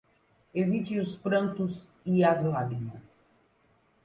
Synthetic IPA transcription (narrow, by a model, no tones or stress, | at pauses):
evit͡ʃɪʊspɾɐ̃nt̪ʊz | iɐzlaɡinɐs